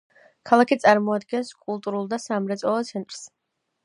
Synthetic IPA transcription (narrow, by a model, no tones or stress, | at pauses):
kʰalˠakʰit̪sʼaɾmɔad̪ɡɛnskʼulˠt̪ʼuɾulˠd̪asamɾɛt̪sʼɔlˠɔt̪sʰɛnt̪ʼɾ̥s